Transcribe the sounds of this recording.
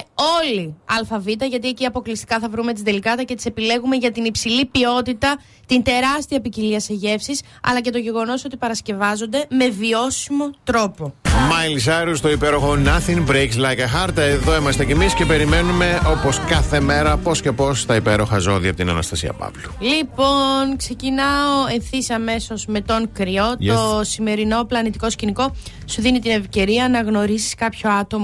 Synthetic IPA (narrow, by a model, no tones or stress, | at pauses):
o̞liɐlfɐvit̪ɐʝɐt̪̬ieciɐpo̞klist̪i̥kɐθɐvɾume̞t̪izd̪elikɐt̪ɐce̞t̪ise̞pile̞ɣume̞ʝɐt̪inipsilipio̞t̪it̪ɐ | t̪int̪e̞ɾɐst̪iɐpiciliɐse̞ʝe̞fsis | ɐ̰lɐce̞t̪o̞ʝe̞ɣo̞no̞so̞t̪ipɐɾɐsce̞vɐzo̞nd̪e̞me̞vio̞simo̞t̪ɾo̞po̞mɐjlisɐɾust̪o̞ipeɾo̞xo̞nɐθinvɾejkslɐjkɐxɐɾt̪eðo̞imɐst̪ecemisce̞pe̞ɾime̞nume̞o̞po̞skɐθe̞meɾɐpo̞sce̞po̞st̪ɐipe̞ɾo̞xɐzo̞ðiɐpot̪inɐnɐ̰st̪ɐsḭɐ̰pɐ̰plu̥lipo̞nkse̞cinɐoe̞nθisiɐme̞so̞zme̞t̪o̞ŋkɾio̞t̪o̞sime̞ɾino̞plɐnit̪iko̞sciniko̞ | suðinit̪ine̞fce̞ɾiɐnɐɣno̞ɾisi̥skɐpço̞ɐt̪o̞m